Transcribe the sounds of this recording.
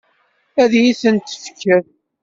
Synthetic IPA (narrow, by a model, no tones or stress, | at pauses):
æðjiθənt̪ə̥fkːæθ